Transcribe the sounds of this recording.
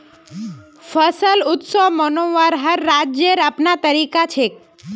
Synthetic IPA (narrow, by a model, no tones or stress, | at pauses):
fəsəlʊt̪sɔmɔnoʋaɾɦəɾːad͡ʒjeɾapnat̪əɾikat͡ʃʰek